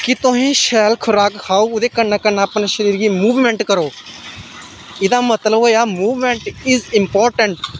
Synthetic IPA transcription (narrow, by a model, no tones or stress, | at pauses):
kɪt̪ʊsĩːʃɛːlkʰʊɾaːkhaːuːʊd̪eːkənːaːkənaːpnaʃəɾiːɾɡiːmuːʋmɛ̃ːɳʈkəɾoː | ɪd̪aːmət̪ləboːjaːmuːʋmɛ̃ɳʈɪzɪmpɔːɾʈə̃ɳʈ